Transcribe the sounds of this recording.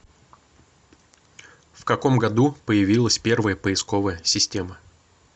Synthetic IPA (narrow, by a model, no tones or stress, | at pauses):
fkɐko̞mɡɐd̪upəjɪvʲilˠəsʲpʲe̞rvəjəpəɪsko̞vəjəsʲɪsʲtʲemə